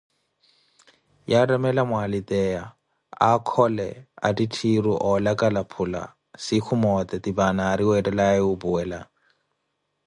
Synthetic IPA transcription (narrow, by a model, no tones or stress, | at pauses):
jarɛmɛlamʊalit̪ɛa | akʰɔlɛa̰ditʰiruʔɔlakʼalapʰula̰ | sɪkʰʊmɔt̪ʼɛdibanaːɾiwɛdɛlaɛʊbuɛːla